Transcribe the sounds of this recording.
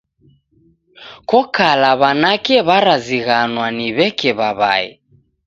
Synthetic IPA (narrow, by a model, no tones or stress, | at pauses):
kɔkalaβanakɛβaɾaziɣanwaniβɛkɛβaβa̰ɛ̰